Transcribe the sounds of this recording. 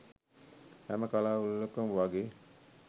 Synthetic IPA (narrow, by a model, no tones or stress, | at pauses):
hæməkalaːulːokumʋaɡe